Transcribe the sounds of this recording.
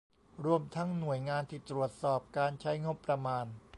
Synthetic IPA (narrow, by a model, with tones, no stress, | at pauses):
ɾu˧əmt̪ʰa˦˥ŋnu˨˩əjŋaː˧nt̪ʰiː˧˩t̪ɾu˨˩ət̪̚sɔː˨˩p̚kaː˧nt͡ɕʰa˦˥jŋo˦˥pːɾa˧maː˧n